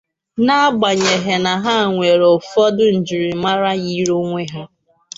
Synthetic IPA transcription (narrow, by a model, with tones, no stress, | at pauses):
na˦a˦ɡ͡ba˨ɲe˨ɦe˨na˨ɦa˦˨ŋʷe˨ɾo˨fɔ˦dʊ˦n̩˨d͡ʒi˨ɾi˨ma˦ɾa˦ɣi˦ɾo˦ŋʷe˦ɦa˦